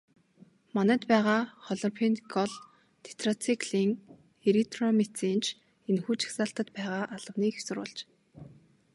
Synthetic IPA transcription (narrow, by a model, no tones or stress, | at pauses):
mɔnæːt̪pæːʁaːχɔɮɔ̆pʰint̪ɡɔɮ | t̪ʰe̥t̪ʰrɔt͡sʰikɮiːŋ | eɾit̪rɔmet͡siːnt͡ɕʰ | enxuːt͡ɕḁxsaːɬt̪ə̆t̪pæːʁaːʔaɮ̥ə̆wniːxsʊɾʊ̰ːɮt͡ɕ